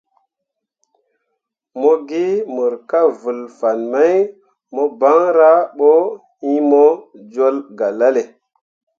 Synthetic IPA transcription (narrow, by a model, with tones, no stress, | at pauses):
mo˦ɡi˦mu˨ɾka˦vu˨lfa˨nma˦j | mo˦ba˦ŋɾa˦ɓo˦ | i˦mo˦d͡ʒo˦lɡa˨la˦le˨